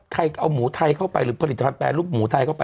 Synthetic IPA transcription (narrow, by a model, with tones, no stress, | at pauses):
t̪ʰa˧jʔa˧wmuː˩˦t̪ʰa˧jkʰa˥˩wpa˧jɾɯː˩˦˥pʰa˧li˨˩t̪ːa˧pʰa˧t̪̚pɛː˧luː˥˩p̚muː˩˦t̪ʰa˧jkʰa˥˩wpa˧